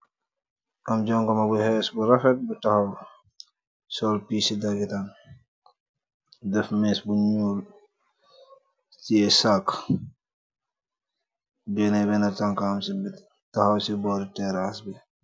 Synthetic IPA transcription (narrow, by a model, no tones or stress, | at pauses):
ʔamd͡ʒɔŋɡɔmabuhɛsbuɾɐfɛt̚butahaw | sɔlpisidaɡitan | dɛfmɛsbuɲuːl | tiɛsak | bɛnɛbɛnataŋkamsib | tahawsibɔɾitɛɾasbɛ